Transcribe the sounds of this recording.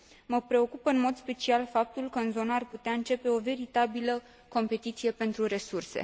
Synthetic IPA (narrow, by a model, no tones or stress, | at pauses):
məpɾe̞o̞kupəɨnmo̞d̪spe̞t͡ʃialfap̚t̪ulkəɨnzo̞nəarput̪eaɨnt͡ʃe̞pe̞o̞ve̞ɾit̪abilə | ko̞mpe̞t̪it̪sije̞pe̞nt̪ɾuɾe̞surse̞̰